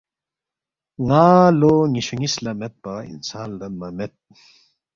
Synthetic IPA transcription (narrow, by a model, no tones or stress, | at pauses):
ŋaːloŋiɕuŋislɐmet̪̚pɐḭnsaːld̪ɐmɐmet̪̚